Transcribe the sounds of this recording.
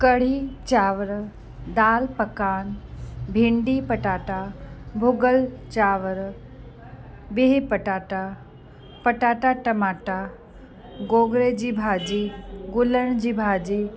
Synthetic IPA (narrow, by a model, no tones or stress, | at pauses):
kəɽ̤it͡ɕaːʋəɾ | d̪aːlpəkaːnbʱĩɳɖipəʈaːʈabʱʊɡəlt͡ɕaːʋɾ | beɦipəʈaːʈa | pəʈaːʈaʈɐmaːʈa | ɡoːɡɾed͡ʑiːbʱaːd͡ʑiːɡʊləɽ̃d͡ʑiːbʱaːd͡ʑiː